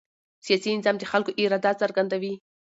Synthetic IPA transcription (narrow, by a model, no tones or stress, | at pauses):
sijɑsiɪnzɑmd̪əxalkoʔɪɾɑd̪ɑsaɾɡand̪awi